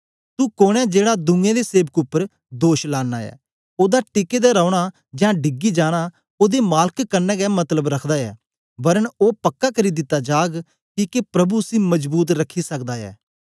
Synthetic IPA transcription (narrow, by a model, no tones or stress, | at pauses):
t̪uːkoːɽɛ̃ːd͡ʒeːɽaːd̪ʊ̃ŋɡẽːd̪eːseːbəkʊpːəɾ | d̪oːʃlaːnːaːɛ̰ː | oːd̪aːʈɪkeːd̪aːɾaːɽ̃aː | d͡ʒãːɖɪɡiːd͡ʒaːɽ̃aː | oːd̪eːmaːləkkəɾnɛ̃ːɡɛːmət̪ləbɾəkʰd̪aːɛ̰ː | bəɾənoːpəkːaːkʰəɾiːd̪ɪt̪ːaːd͡ʒaːɡ | kiːkepɾəbusĩːməd͡ʒbuːt̪̬ɾəkʰːiːsəkd̪aːɛ̰ː